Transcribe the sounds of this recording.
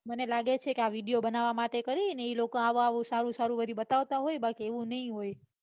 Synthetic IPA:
mənelaɡet͡ʃʰekeaʋiɖijobənaʋamaʈekəɾineilokoaʋaʋũsaɾũsaɾũbəd̪ʱibət̪aʋt̪aɦojbəlkeeʋũnəɦĩɦoj

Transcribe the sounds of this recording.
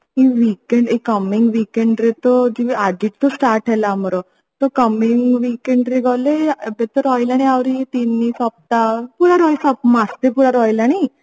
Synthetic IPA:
ɦiʋikeɳɖikːəmiŋɡʋikeɳɖɾet̪ɔd͡ʑiʋad̪iʈ̚t̪osʈaɾʈʰɛlaməɾo | t̪ɔkəmiŋɡʋikeɳɖɾeɡʱalebet̪əɾɔjlaɽ̃ĩaʋɾit̪inːiːsɔp̚t̪apuɽaɾɔjsɔp̚mast̪epuɾaɾɔjlaɽ̃i

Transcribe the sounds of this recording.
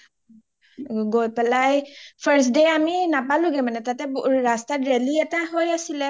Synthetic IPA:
ɡojpɛlajfʰəɾs̬deaminapaluɡɛmanɛt̪at̪ɛbɾast̪aɾeliɛt̪aɦojasila

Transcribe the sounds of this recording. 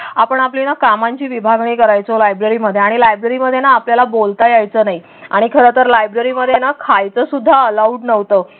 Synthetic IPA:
apəɳaplinakamaɲt͡ɕiːʋibʱaɡɳiːkəɾajt͡solajbɾəɾiːməd̪ʱːjeaɽ̃ilajbɾəɾiməd̪ʱːjenaːpljalabolt̪ajajt͡səːnaɦi | aɽ̃ikʰəɾət̪əɾlajbɾəɾiməd̪ʱːjenakʰajt͡səsud̪ʱːaəlauɖnəʋt̪əː

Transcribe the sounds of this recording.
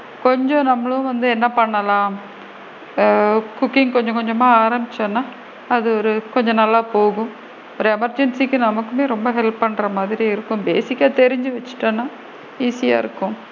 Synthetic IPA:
kɔɲd͡ʒɔ̃nɐmːɐɭɐʊ̃ʋɐnd̪ɯɛnːɐpɐɳːɐlãː | kʊkːɪŋkɔɲd͡ʒɔ̃kɔɲd͡ʒɐmaːaːɾɐmbɪt͡ʃːɐ̃nːaː | ɐðɯɔɾɯkɔɲd͡ʒɔ̃nɐlːaːpoːɣʊ̃m | ɔɾɯɛmɐɾd͡ʒɛnsikːɯnɐmɐkːɯmeːɾɔmbɐɦɛlpːɐɳːɾɐmaːðɪɾiɪɾɯkːɯ̃mbeːsɪkʲːat̪ɛɾɪɲd͡ʒɯʋɐt͡ʃːɯ̥ʈːɐnːaː | iːsɪja̰ːɪ̰ɾɯkːʊ̃

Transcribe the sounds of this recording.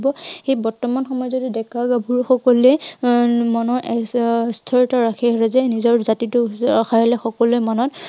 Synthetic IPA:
bɔxejbɔɹtɔmanxɔmɔjɔzodidɛkaɡabʱuɹxɔkɔluɛ | manɔɹʔɛstʰɔɹitaɹakʰɛɦɔɹɛzɛnizɔɹzatitʊaxʰaɦɔlɛxɔkɔluɛmanɔt

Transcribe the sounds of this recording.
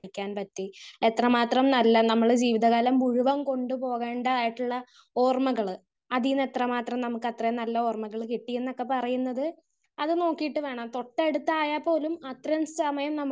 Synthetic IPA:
ikʲːaːnpɐtːie̞t̪rɐmaːt̪rɐmnɐlːɐnɐmːɐɭd͡ʑiːʋiðɐɣaːlɐmuɻuʋɐmko̞ɳɖɨpo̞ːɣe̞ːɳɖaːjiʈːuɭːɐ | o̞ːrmɐɣɐɭɨ | ɐðijunːe̞t̪rɐmaːt̪rɐmnɐmukːɨɐt̪rɐjɐnɐlːɐo̞ːrmɐɣɐɭkiʈːijenːo̞kːe̞pɐrɐjunːɐðɨ | ɐðɨno̞ːkːijiʈːɨʋe̞ːɳɐmt̪o̞ʈːeɽut̪ːaːjapːo̞ːlumɐt̪rɐmsɐmɐjɐmnɐmː

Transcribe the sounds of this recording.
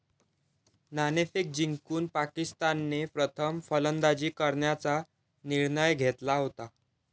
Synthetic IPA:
nanefik̚d͡ʑiŋkuːnpakist̪anːepɾət̪ʰəmfələnd̪ad͡ʑiːkəɾɳjat͡sa | niɾɳəjɡʱet̪laɦot̪a

